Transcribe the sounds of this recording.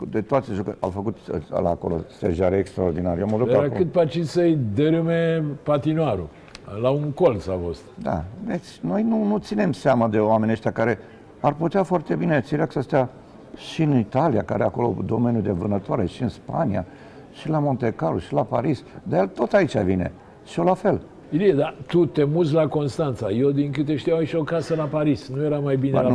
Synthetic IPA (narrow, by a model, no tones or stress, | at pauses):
d̪et̪oat̪seʒukəa̰wfəkut̪la̰ːko̞̰lo̰st̪eʒaɾeekst̪ɾaord̪inaɾejeamod̪ukaɾakɨt̪̚pat͡ʃisəjd̪eɾɨmepat̪inaɾu | lauŋkolt̪safost̪d̪a̰d̪et̪sʲno̞jnunut̪sine̞mseaməd̪e̞oame̞nʲeʃt̪ʲakaɾe̞ | arput̪eafoart̪e̞binet̪siɾeaksəst̪ea | ʃiɨnit̪alia̰ka̰ɾeako̞lo̞̰d̪o̞me̞nʲjud̪e̞vɨnət̪oaɾe̞̰ʃiɨnspania̰ | ʃilamo̞nt̪e̞kaɾuʃilapaɾisd̪ajelt̪o̞t̪ait͡ʃʲa̰vine̞̰ | ʃio̞lafe̞l | ilied̪at̪ut̪e̞muz̬lako̞nst̪ant̪sajewd̪iŋkɨt̪eʃt̪ijawʃio̞kasəlapaɾisnujeɾamajbinḛ